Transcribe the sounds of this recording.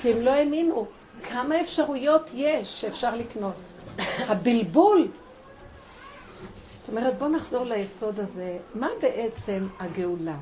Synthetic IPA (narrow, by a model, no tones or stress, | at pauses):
kiemlo̞eminu | kʰamae̞fʃaʁujo̞tʰjeʃːeːfʃaʁlikno̞t | habilbul | at̪o̞me̞ʁet̚bo̞naχz̥o̞ʁlajeso̞d̪aze̞mabe̞ʔe̞t͡se̞maɡeula